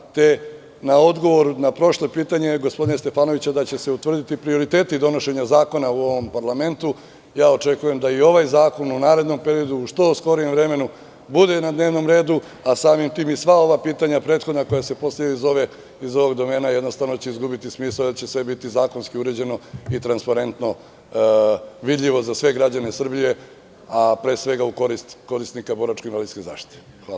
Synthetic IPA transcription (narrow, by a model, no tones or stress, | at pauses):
t̪e̞ | nao̞d̪ɡo̞ʋo̞ɾunapɾo̞ʃlˠopiːt̪aɲe̞ɡo̞spod̪inast̪efaːnoʋit͡ɕad̪at͡ɕe̞se̞ut̪ʋr̩d̪it̪ipɾio̞ɾit̪e̞ːt̪id̪o̞no̞ʃe̞ɲazaːko̞nauo̞ʋo̞mpaɾlˠame̞nt̪u | jaːot͡ʃe̞kuje̞md̪aio̞ʋajzaːko̞nunaːɾe̞d̪no̞mpe̞ɾijo̞d̪uːʃt̪o̞sko̞ɾijemvɾe̞me̞nu | bud̪e̞nad̪neːʋno̞mɾe̞ːd̪u | asaːmimt̪iːmisʋao̞ʋapiːt̪aɲapɾe̞ːt̪xo̞d̪nako̞jase̞po̞sleizo̞ʋe | izo̞ʋo̞ɡd̪o̞me̞ːnajed̪no̞st̪aʋno̞t͡ɕeizɡubit̪ismiːsad̪at͡ɕe̞sʋe̞bit̪izaːko̞nskiuɾe̞d͡ʑe̞no̞it̪ɾanspaɾe̞nt̪no̞ | ʋid̪ʎʲiʋo̞zasʋe̞ɡɾad͡ʑane̞sr̩bije̞ | apɾe̞ːsʋe̞ɡauko̞ɾist̪ko̞ɾist̪nikabo̞ɾat͡ʃkinʋalid̪skeza̰ːʃt̪i̥t̪e̥ | xʋaːla